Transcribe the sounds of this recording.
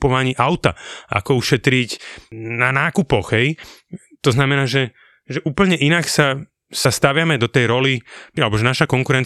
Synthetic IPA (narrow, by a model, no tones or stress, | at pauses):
pɔʋaɲiːʔaʊt̪a̰a̰kɔuʃɛt̪ɾicnanaːkupɔɣɦɛj | t̪ɔznamɛnaːʒɛ | ʒɛʔuːpl̩ɲɛʔinaksa | sast̪aʋɪamɛd̪ɔt̪ɛjɾɔlialɛbɔʒɛnaʃakɔŋkuɾɛn